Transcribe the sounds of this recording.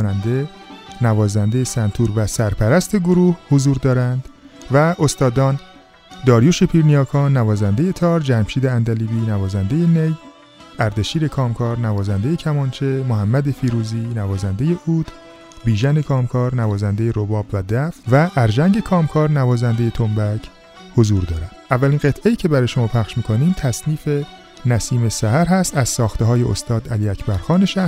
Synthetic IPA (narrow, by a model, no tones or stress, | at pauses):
nænd̪e̞ | nævɒːzænd̪e̞jesænt̪ʰuːɾvæsæɾpʰæɾæst̪ʰe̞ɡoɾuːhhozuːɾd̪ɒːɾænd̪̥væo̞st̪ɒːd̪ɒːn | d̪ɒːɾjoʃepʰiɾnijɒːkʰɒːnnːævɒːzænd̪e̞je̞t̪ʰɒːɾd͡ʒæmʃiːd̪eænd̪æliːbiːnævɒːzænd̪e̞jenej | æɾd̪e̞ʃiːɾe̞kʰɒːmkʰɒːɾnævɒːzænd̪e̞je̞cʰæmɒːnt͡ʃʰe̞moɦæmːæd̪efiɾuːziːnævɒːzænd̪e̞je̞ʔuːd̪̥ | biːʒænekʰɒːmkʰɒːɾnævɒːzænd̪e̞jeɾobɒːbvæd̪æfvæʔːɾʒæŋɟe̞kʰɒːmkʰɒːɾnævɒːzænd̪eje̞t̪ʰombæcʰ | hozuːɾd̪ɒːɾæd̪̥ʔævːælinɢe̞t̪ʰʔejiːcʰe̞bæɾɒːjeʃo̞mɒːpʰæχʃmiːkʰoniːmt̪ʰæsniːfe̞ | næsiːme̞sæhæɾɦæst̪æz̥sɒːxt̪ʰeɦɒːje̞o̰st̪ɒːd̪æliːæcʰbæɾxɒːne̞ʃæ